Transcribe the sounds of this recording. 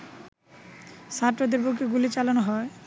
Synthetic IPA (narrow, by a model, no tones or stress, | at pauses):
saɾʈɾod̪eɾbokeɡulit͡ɕalanoɦɔe